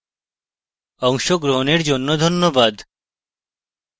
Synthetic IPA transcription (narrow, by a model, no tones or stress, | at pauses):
ɔŋʃoɡɾoɦoneɾd͡ʑonːod̪ʱonːobad̪